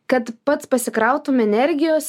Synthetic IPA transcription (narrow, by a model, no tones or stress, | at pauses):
kɐt̪pɐt̪spɐsʲɪkɾɑˑʊt̪umʲɛnʲɛɾʲɡʲɪjoːs